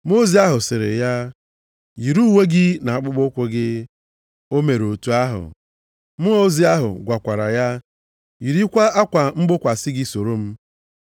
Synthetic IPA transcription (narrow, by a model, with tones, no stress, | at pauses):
m˦o˦zi˦a˦ɦʊ˨sɪ˨ɾɪ̰˨ja˦ | ji˨ɾu˦we˦ɡɪ˦na˨a˨k͡pʊ˦ɡ͡bʊ˦kʷʊ˦ɡɪ˦ | o˦me˨ɾo˨tu˦a˦ɦʊ̰˨ | mʊ˦o˦zi˦a˦ɦʊ̰˨ɡʷa˨kʷa˨ɾa˨ja˦ | ji˨ɾi˦kʷa˦a˦kʷa˨m̩˦ɡ͡bʊ˦kʷa˨sɪ˦ɡɪ˦so˨ɾo˦m̩˦